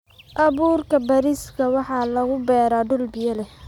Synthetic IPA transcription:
ʔɐβuːrkʰɐbɐɾɪskʰɐwɑħɑːlɐɣʊbɛːɾaːɖʊlbɪjɐlɛ

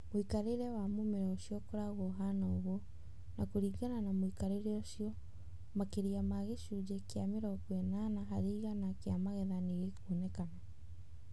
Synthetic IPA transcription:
moikaɾeɾɛwamomeɾɛoʃiɔkoɾaɣoɦanaoɣo | nakoɾiɣananamoikaɾeɾeoʃiɔ | makeɾiamaɣeʃud͡ʒekeameɾɔkwɛnanaɦaɾiːɣanakeamaɣɛðaneɣekonɛkana

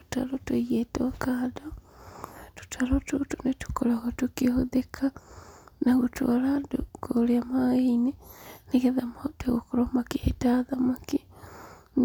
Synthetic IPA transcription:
tu̥ta̰lotujetokaːdo | tu̥tʰalotutunetu̥kolaɣotukihoðekʰa | naɣutwolanduɡoliamaɣeineneɣeðamateɣukuɾomakietaðamaki | n

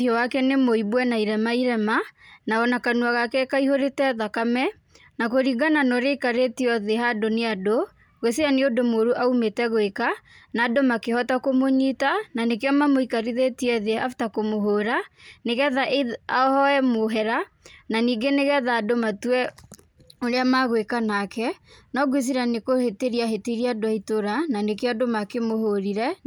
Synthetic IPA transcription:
jɔwakɛnemoibwɛnaiɾɛmaiɾɛmanaɔnakanwaɣakɛkaihoɾetɛðakamɛ | nakoɾiɡananɔɾekaɾetiɔðeɦadoneado | ɣeseaniodomoɾuʔaumetɛɣoekanaːdomakehɔtakomoɲitananekeɔmamoikaɾiðetiɛðeaftakomoɦoɾaneɣɛðaʔeaɔhɔɛmoɦɛɾa | naniːɡeneɣɛðaːdomatuɛ | oɾeamaɣwekanakɛnɔɡwes̬iɾanekoheteɾiaɦeteɾiadoaitoɾananekeɔdomakemohoɾiɾɛ

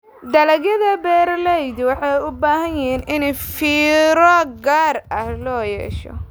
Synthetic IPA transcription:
d̪ɐlɐɣjɐðɐbɛːrlɛjd̪wɑħɑjʊbaːɦɐjjɪiːnʔɪnɛfiːɾɔːɡaːrɐhlɔːjɛ̰ːʃɔ̰

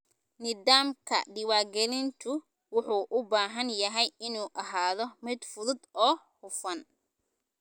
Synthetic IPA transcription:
nɪðaːmkʰɐ̰ɖɪwaːɡɛlɪnt̪ʰʊ | wʊħuːʔʊbaːɦɐnjɐɦɛjɪnuːʔɐɦaːðɔmɪd̪fʊðʊd̪ɔːhʊfɐn

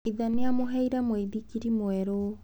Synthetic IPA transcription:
iðaniamoɦɛiɾamweðikiɾimwɛɾo

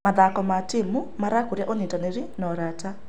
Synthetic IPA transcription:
maðakɔmatimumaɾakuɾjaʔonitaneɾinɔɾata

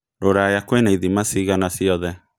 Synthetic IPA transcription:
ɾoɾajakwenaiðimasiːɣanasiɔðɛ

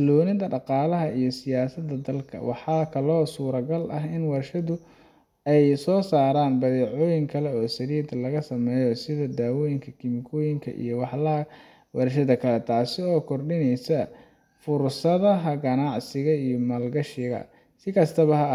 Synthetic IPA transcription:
slɔːnɪd̪ɐɖɑqɑːlɐɦɐijɔsɪjaːsɐd̪ɐd̪ɐlkʰɐ̰wɑħɑːkʰɐlɔːsuːɾɐɡɐlʔɐɦɪnwɐrʃɐðʊ | ɛjsɔːsaːɾaːnbɐðɛːʕɔːjɪŋkʰɐlɛɔːsɐɾiːd̪ɐlɐɣɐsɐmɛːjɔsɪðɐd̪aːwɔːjɪŋkʰɐkʰɪmɪkʰɔːjɪŋkʰɐ̰ʔḭjɔwɑħlɐɐ | wɑrʃɐðɐkʰɐlɛt̪ʰaːsɪɔːkʰɔrɗɪnɛjsɐ | fʊrsɐðɐɦɐɡɐnɑʕsɪɣɐijɔmɐlɡɐʃɪɣɐ̰ | sɪkʰɐst̪ʰɐβɐɦɐ

